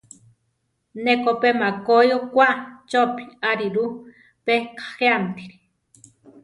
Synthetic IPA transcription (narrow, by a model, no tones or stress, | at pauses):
nekopemakojokʷaʔt͡ʃopi̥aɾiɾu | pekʰḁxeant̪iɾi̥